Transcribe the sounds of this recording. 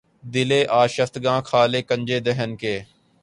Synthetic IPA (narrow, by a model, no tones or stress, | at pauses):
d̪ɪleːʔaːʃəft̪ɡãːkʰaːleːkə̃ɲd͡ʒeːd̪ɛɦənkeː